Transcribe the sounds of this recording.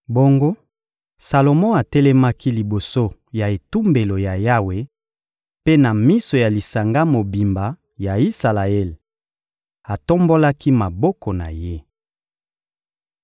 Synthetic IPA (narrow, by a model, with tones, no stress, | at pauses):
bo˦ŋɡo˦ | sa˨lo˨mɔ̃˦a˨tɛ˦lɛ˦ma˦ki˦li˨bo˨so˦ja˨e˨tu˦mbe˨lo˨ja˨ja˦we˨ | pe˦na˨mi˦so˨ja˨li˨sa˨ŋɡa˦mo˨bi˨mba˨ | ja˨i˦sa˨la˨ɛ˦l | a˨to˦mbo˦la˦ki˦ma˨bɔ˦kɔ˨na˨je˦